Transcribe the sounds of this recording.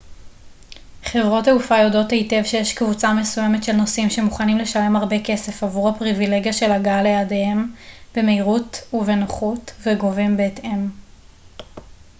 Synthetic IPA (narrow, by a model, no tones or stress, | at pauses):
χe̞vʁo̞teufajodo̞theite̞vʃe̞jeʃkvut͡same̞suje̞metʃe̞lno̞simʃe̞muχanimle̞ʃale̞maʁbe̞ke̞se̞favuʁhapʁivile̞ɡijaʃe̞laɡalejadeemb̥emeiʁutuve̞noχutveɡo̞vimbeːte̞m